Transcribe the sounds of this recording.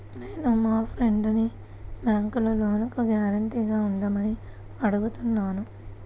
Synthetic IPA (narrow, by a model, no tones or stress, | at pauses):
ne̞ːnumaːpʰɾeɳɖni | baːŋkulɐlo̞ːnukuɡjaːɾɐɳʈiːɡaːuɳɖɐmɐni | ɐɽuɡut̪unːaːnu